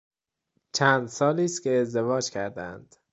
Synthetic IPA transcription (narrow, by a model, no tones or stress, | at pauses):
t͡ʃʰæːnd̪sɒːliːst̪kʲʰe̞ːzd̪evɒːd͡ʒcʲʰæɾd̪æ̰nd̪̥